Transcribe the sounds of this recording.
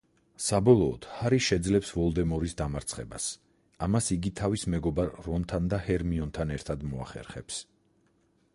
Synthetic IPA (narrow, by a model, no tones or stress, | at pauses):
sabɔlˠɔːd̪̥haɾiʃɛd̪zlɛpsvɔlˠd̪ɛmɔɾisd̪amaɾt̪sʰχɛ̰ba̰s | amasiɡit̪ʰavismɛɡɔbaɾːɔnt̪ʰand̪ahɛɾmiɔnt̪ʰanɛɾt̪ʰad̪mɔa̰χɛ̰ɾχɛ̰ps